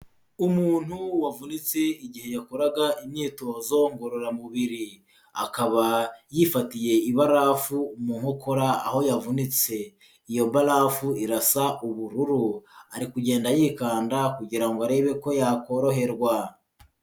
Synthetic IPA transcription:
umuːn̥huwavunit͡seiɟihe̞jakoɾaɡaʔimɲiːtoːzo̞ŋɡo̞ɾo̞ɾamuβiɾi | a̰kaβajifatije̞iβaɾafuːmuːŋokʰoɾaːho̞javunit͡se̞ | ijo̞balafuiɾasaʔuβuɾuɾuaɾikuɟe̞ːndajiːkaːndakuɟiɾaŋɡoaɾe̞βe̞ko̞jako̞ɾo̞ɦe̞ɾɡwa

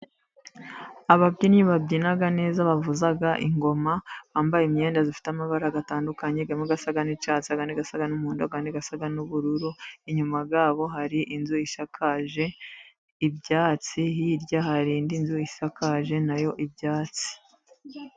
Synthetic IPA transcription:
aβabɟiːnɲiβabɟiːnaɡane̞ːzaβavuzaɡaʔiŋɡo̞maβaːmbajeme̞ːndazifi̥tamaβaɾaɡataːndukaɲe̞ɡameɡasaɡanit͡ʃaːt͡siaɡaniɡasaɡanumuːndoɡaniɡasaɡanuβuɾuɾuiɲumaɡaːβo̞ɦaɾiʔinzuiʃakʰaʒe̞ | ibɟaːt͡sihiɾɟahaɾiːndinzuiʃakaʒe̞najo̞ʔibɟaːt͡si̥

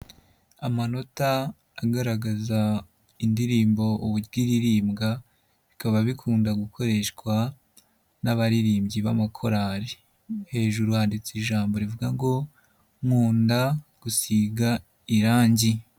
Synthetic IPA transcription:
amano̞taː | ɡaɾaɡaza | indiɾiːmbo̞ʔuβuɡiɾiɾiːmɡa | βikaβaβikʰuːndaɡukʰo̞ɾe̞ʃkwa | naβaɾiɾiːmɟiβa̰makʰo̞ɾaɾi | he̞ːʒuɾuhaːndit͡siʒaːmbo̞ɾivuɡaŋɡo̞ | mŋuːndaɡ̥usiɡa | iɾaːɲɟi

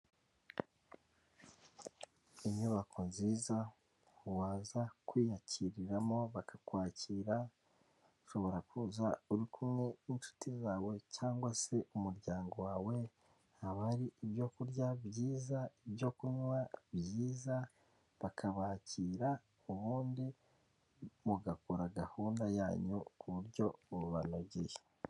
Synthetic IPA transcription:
iɲuβakʰo̞nziːza | uwaːzakwiːjaciɾiɾamo̞βakḁkwaːciːɾa | uʃo̞βo̞ɾakuzauɾikʰumŋe̞int͡ʃu̥tʰizaːwe̞caːŋɡwase̞umuɾɟaːŋɡo̞waːwe̞ | haβaɾiːβjo̞kuɾɟabjiːzaibjo̞kuɲwaβjiːza | βakʰaβaːciːɾa | uβuːndi | muɡakuɾaɡahuːndajaːɲukʰuβuɾɟo̞uuβanoɡɟeje

